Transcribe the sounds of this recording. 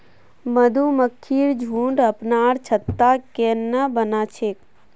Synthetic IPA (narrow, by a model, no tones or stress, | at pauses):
məd̪ʱuməkʰːiːɾd͡ʒʱuːɳɖəpnaːɾt͡ʃʰət̪ːakenːəbənaːt͡ʃʰeːk̚